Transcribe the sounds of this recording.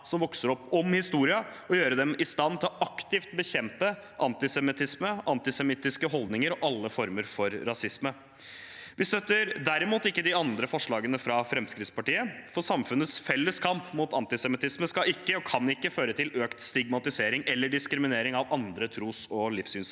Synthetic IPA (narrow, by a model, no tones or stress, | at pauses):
sɔmʋɔksəɾɔpːɔmhɪst̪uːɾɪɑ | ɔjøːɾəd̪ɛmɪst̪ɑnːt̪ʰɪlɔʔɑkt̪ɪft̪bəçɛmpə | ʔɑnt̪ɪsɛmɪt̪ʰɪsməʔɑnt̪ɪsɛmɪt̪ːɪskəɦɔld̪nɪŋəɾɔʔɑlːəfɔɾməɾfɔɾːɑsɪsmə | ʋɪst̪œt̪əɾd̪æɾɪmuːt̪ɪkːəd̪ɪɑnd̪ɾəfɔʂɭɑːɡənəfɾɑfɾɛmskɾɪt̪spɑʈiːəfɔsɑmfʉnːət̪sfɛlːəskʰɑmpmuːt̪ɑnt̪ɪsɛmɪt̪ʰɪsməskɑɪkːəɔkʰɑnɪkːəføːɾət̪ʰɪløːkt̪st̪ɪɡmɑt̪ɪseːɾɪŋɛlːəɖɪskɾɪmɪneːɾɪŋɑʋɑnd̪ɾət̪ʰɾuːsɔlɪfsyːns